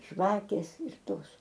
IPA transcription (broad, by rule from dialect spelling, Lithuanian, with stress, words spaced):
ˈʒʋɑːkʲeːs ɪr ˈtoːs